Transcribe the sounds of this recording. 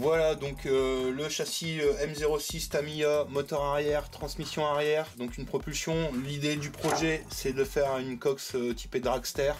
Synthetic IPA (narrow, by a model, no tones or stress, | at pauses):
vwalad̪ɔ̃køləʃasiøɛmzeʁosist̪amiamɔt̪ɔʁaʁjɛʁt̪χɑ̃smisjɔ̃aʁjɛʁd̪ɔ̃kynpχɔpylsjɔ̃lid̪ed̪ypχɔʒɛsɛd̪əfɛʁaynkɔksøt̪ʰi̥ped̪ʁakst̪ɛʁ